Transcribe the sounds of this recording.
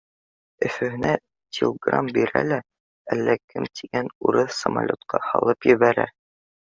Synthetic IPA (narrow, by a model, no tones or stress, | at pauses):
ɵ̆fɵ̆hɘ̆næ | t̪ʲʰilʲˠɡra̰mbiɾæ̰læ | ælːækʰɘmt̪ʰiɡænuɾɤθsəma̰lʲot̪qɑhɑ̰lˠɤpjɘ̆βæɾæ̰